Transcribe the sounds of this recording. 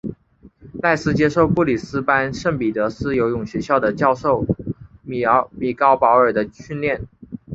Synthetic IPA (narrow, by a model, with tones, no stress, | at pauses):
la˥˩ɪsɹ̩˥t͡ɕjɛ˥ʂo˥˧ʊpu˥˩li˨˩sɹ̩˥pa˥nʂə˥˩ŋpi˨˩t̪ɤ˧˥sɹ̩˥jo˧˥ʊjʊ˨˩ŋɕɥɛ˧˥ɕjɑ˥˩ʊd̪ə˩t͡ɕjɑ˥˧ʊʂo˥˩ʊm˨˩mi˨˩kɑ˥ʊpɑ˧˥ʊə˞˨˩d̪ə˦ɕy˥˧nljɛ˥˩n